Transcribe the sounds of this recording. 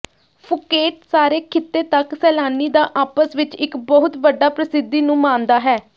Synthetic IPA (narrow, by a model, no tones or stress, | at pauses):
pʰʊkeːʈsaːɾeːkʰɪt̪ːeːt̪əksɛːlaːniːd̪aːʔaːpəsʋɪt͡ʃɪkbəɦʊt̪ʋəɖaːpɾəsɪd̪ːiːnũːmãːnd̪aːɦɛː